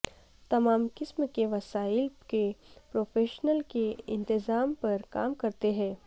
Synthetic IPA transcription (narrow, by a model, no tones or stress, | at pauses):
t̪ɐmaːmkɪsmkeʋɐsaːɪlkepɾoːfʰeːʃnəlkeɪ̃nt̪ɪzaːmpɐɾka̰ːmkɐɾt̪eɦɛ̃ː